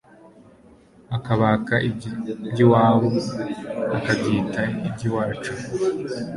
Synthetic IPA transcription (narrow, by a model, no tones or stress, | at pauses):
akaβakaʔibɟiwaːβo | akabɟiːtaibɟiwaːɾt͡ʃa